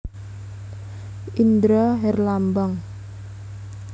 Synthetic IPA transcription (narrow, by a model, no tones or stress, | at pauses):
ʔind̪ɾaɦɛrlambaŋ